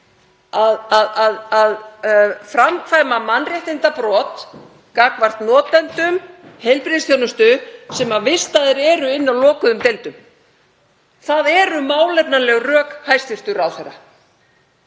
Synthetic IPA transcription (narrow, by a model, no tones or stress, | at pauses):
aðaðaðaðfɾamkfajmamanrjɛht̪ɪnt̪apɾɔːt̪ | kaːkvar̥t̪nɔːt̪ɛnt̪ʏmhejlpɾiðsθjownʏst̪ʏsɛmavɪst̪aðɪɾɛːɾʏɪnːawlɔːkʏðʏmt̪ejlt̪ʏm | θaðɛːɾʏmaːwlɛpnalɛɣrœːkhajst̪vɪst̪ʏɾawθejɾa̰